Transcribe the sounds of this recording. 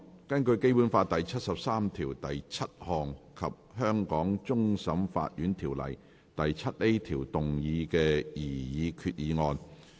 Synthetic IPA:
kɐ˥nkɵ˧ɥke˥jpuː˨˥nfaː˧t̪ɐ˨jt͡sʰɐ˥t̚sɐ˨p̚saː˥mt̪ʰiː˨˩wt̪ɐ˨jt͡sʰɐ˥t̚hɔː˨ŋkʰɐ˨p̚ɦœː˥ŋkɔː˨˥ŋt͡sʊ˥ŋsɐ˨˥mfa̰ː˧t̚jyː˨˥nt̪ʰiː˨˩wlɐ̰˨˩j | t̪ɐ˨jt͡sʰɐ˥t̚le˥jt̪ʰiː˨˩wt̪ʊ˨˩ŋjiː˨˧kɛː˧jiː˨˩jiː˨˧kʰyː˧t̚jiː˨˧ŋɔː˧n

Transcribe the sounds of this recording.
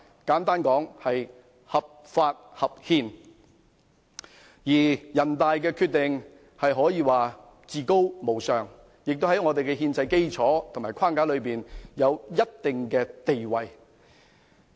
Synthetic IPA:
kaː˨˥nt̪aː˥nkɔː˨˥ŋhɐ˨j | hɐ˨p̚ | faː˧t̚hɐ˨p̚hiː˧n | jiː˨˩jɐ˨˩nt̪aː˨jk̬ɛː˧kʰy˧t̚t̪ɪ˨ŋ | hɐ˨jɦɔː˨˥jiː˧waː˨˩ | t͡siː˨ko˥wmo˨˩wsœː˨˩ŋ | jɪ˨k̚t̪o˥hɐ˨˥jŋɔː˨˧t̪e˨jkɛ˧ɦiː˧nt͡sɐ˧jke˥jt͡sʰɔː˨˥t̪ʰo˨˩maː˨˩jkʰwaː˥˩ŋkaː˨˥lɵ˨˧ɥpiː˨njɐ˨˧wjɐ˥t̚t̪ɪ˨ŋkɛː˧t̪e˨jwɐ˨j

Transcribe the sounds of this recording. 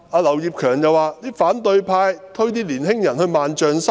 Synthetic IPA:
ʔaː˧lɐ˨˩wjiː˨˧p̚kʰœː˨˩ŋjɐ˨wːaː˨˩t̪iː˥faː˨˥nt̪ɵ˧ɥpʰaː˧jt̪ʰɵ˥ɥt̪iː˥liː˨˩nhɪ˥ŋjɐ˨˩nhɵ˧ɥmaː˨nt͡ʃœː˨˩ŋsɐ˥

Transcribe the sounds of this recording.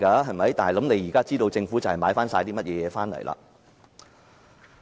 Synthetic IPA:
kaː˧ɦɐ˨jmɐ˨˥jt̪aː˨n˨˩lɐ˨˥mne˨˧jiː˨˩kaː˥t͡siː˥t̪o˧wt͡sɪ˧ŋfu˨˦˥t͡sɐ˨whɐ˨˩jmaː˨˥jfaː˥nsaː˧jt̪iː˥mɐ˥t̚jɛː˨˧jɛː˨˧faː˥nlɐ̰˨˩jlʔa̰ː˧˥

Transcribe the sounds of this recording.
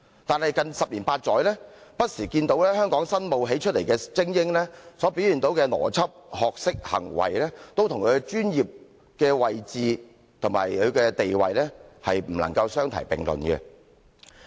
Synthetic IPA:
t̪aː˨nhɐ˨jkɐ˨˧nsɐ˨p̚liː˨˩npaː˧t̚t͡sɔː˨˥jlɛː˥pɐ˥t̚siː˨˩kiː˧nt̪o˨˥wlɛː˥ɦœː˥ŋkɔː˨˥ŋsɐ˥nmo˨wɦe˨˥jt͡ʃʰɵ˥t̚le˨˩jkɛː˧t͡sɪ˥ŋjɪ˥ŋlɛː˥sɔː˨˥piː˨˥wjyː˨nt̪o˨˥wkɛː˧nɔ̰ː˨˩t͡sʰɐ˥p̚hɔː˨k̚sɪ˥k̚hɐ̰˨˩ŋwɐ̰˨˩jlɛ˥t̪o˥wt̪ʰʊ˨˩ŋkʰɵ˨˧ɛ˧t͡ʃyː˥njiː˨p̚ | kɛː˧wɐ˨jt͡siː˨ | t̪ʰʊ˨˩ma̰ː˨˩jkʰɵ˨˧ɥkɛː˧t̪e˨jwɐ̰˨jlɛ˥hɐ˨jm̩˨˩lɐ˨˩ŋkɐ˧wsœː˥ŋt̪ʰɐ̰˨˩jpɪ̰˨ŋlɵ̰˨nkɛ̰˧

